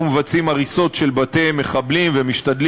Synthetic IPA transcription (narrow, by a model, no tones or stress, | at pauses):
umevat͡simaʁiso̞tʃe̞lbate̞me̞χablimvemiʃt̪ad̪l